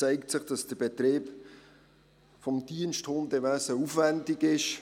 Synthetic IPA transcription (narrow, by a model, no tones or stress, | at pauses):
t͡sɛɪktsɪχd̥ɑsd̥əb̥ɛtɾeːp | fɔmd̥iənʃthondɛvæsəufvændiɡɪʃ